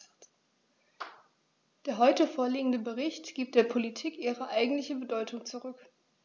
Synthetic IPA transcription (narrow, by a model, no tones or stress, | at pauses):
d̥eːɐɦɔʏtəfoːɐliːɡŋ̩dəbəʁɪçtɡ̥iːp̚t̚d̥eːɐpʰolitʰiːkʔiːʁəʔaɪɡŋ̩tlɪçəbədɔʏtʊŋt͡suʁʏk